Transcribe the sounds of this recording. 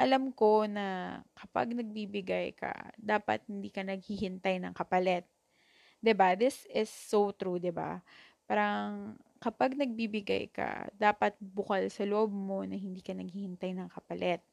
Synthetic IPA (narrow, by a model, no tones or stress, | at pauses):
ʔɐlamko̞nɐkɐpa̰ɡnɐɡ̚bibɪɡajkʰɐ̰d̪aːpɐ̰t̪̚hɪnd̪iːkɐnɐɡ̚hihɪnt̪ajnɐŋkɐpɐlɛt̪̚ | d̪ɪbaðɪsɪsːowt̪ɾud̪ɪba̰paːɾɐŋkɐpaɡ̚nɐɡ̚bibɪɡa̰jkɐ̰d̪aːpɐt̪̚bʊkalsɐloʔob̚mo̞nɐhɪnd̪iːkɐnɐɡ̚hihɪnt̪ajnɐŋkɐpɐlʔɛt̪̚